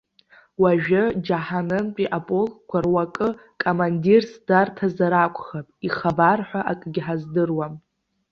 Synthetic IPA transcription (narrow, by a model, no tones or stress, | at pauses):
waʒᶣɨd͡ʒaħanɨnpʼiʔapʼolkʷʰarwakʼɨ | kʼomandirsdartʰazaɾakʷʰʼχapʼiχabarħʷᶣaʔakʼɡʲɪħazdɨrwam